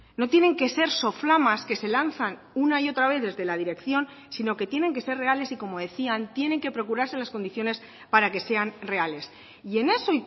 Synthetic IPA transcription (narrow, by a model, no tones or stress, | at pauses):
no̞t̪je̞ne̞ŋke̞se̞ɾso̞flamaske̞se̞lanθan | unaio̞t̪ɾaβe̞θðe̞zðe̞lað̞iɾe̞kθjo̞n | sino̞ke̞t̪je̞ne̞ŋke̞se̞rre̞ale̞siko̞mo̞ð̞e̞θiant̪je̞ne̞ŋke̞pɾo̞kuɾaɾse̞lasko̞nd̪iθjo̞ne̞s | paɾake̞se̞anre̞ale̞s | ie̞ne̞so̞i